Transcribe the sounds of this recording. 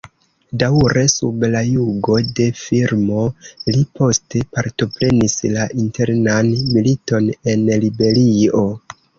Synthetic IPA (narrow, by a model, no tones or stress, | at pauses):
dawɾe̞sṵblajuɡo̞de̞fiɾmo̞lipʰo̞ste̞paɾto̞pɾe̞nislaʔinte̞ɾnanmilito̞ne̞nlibe̞lio̞